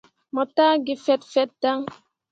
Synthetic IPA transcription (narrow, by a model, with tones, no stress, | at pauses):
mɔ˨ta˦ɡi˨fɛ˦tfɛ˦t̚da˦ŋ